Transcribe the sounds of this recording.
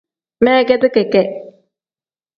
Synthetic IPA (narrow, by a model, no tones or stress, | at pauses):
meːɡed̪ukekeʔ